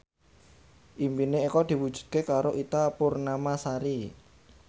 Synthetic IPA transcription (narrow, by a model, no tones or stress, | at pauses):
ʔimpineikɔd̪̥i̤wud̥ʒ̥ṳ̥t̪̚kekaɾoʔit̪apʊrnamasaɾi